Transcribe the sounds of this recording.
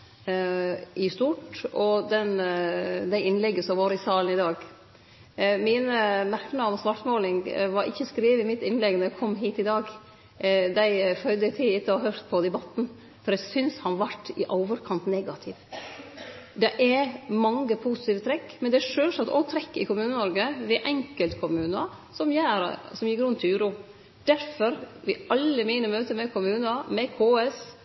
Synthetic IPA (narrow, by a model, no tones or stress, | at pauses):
ʔɪst̪uːʈɔd̪ɛn | d̪æɪɪnːlɛɡːəsɔmʋoːɾəɪsɑːln̩ɪd̪ɑːɡ | mɪnəmæɾkənɑnsʋɑʈmoːlɪŋʋɑɾʔɪ̰çːəskɾiːʋəɪmɪt̪ːɪnlɛɡnɔɾɛkʰɔmːɦiːt̪ɪd̪ɑːɡ | d̪æɪfœʏd̪əɪt̪ʰɪɪt̪ːəɔɦœɾt̪pʰɔd̪ɛbɑt̪ːn̩ | fɔɾjæɪsʏnshɑnʋɑʈːɪʔoːʋəɾkʰɑnt̪nɛɡɑt̪ʰɪʋ | d̪ɛʔɛɾmɑŋɡəpʰuːsɪt̪iːʋət̪ʰɾɛkːmɛnd̪ɛɛʂøːlsɑt̪ːɔ̰t̪ʰɾɛkːɪ̰kʊmʉːnənɔɾɡəʋɪʔɛŋkəlt̪kʰʊmʉːnɑ | sɔmjæːɾ̰sɔmjɪkːɾʉnt̪ʰɪʉːɾuː | d̪̥æɾfɔɾʋɪ̰ɑlːəmiːnəmøːt̪əmɛkʰʊmʉːnɑmɛkʰoːɛs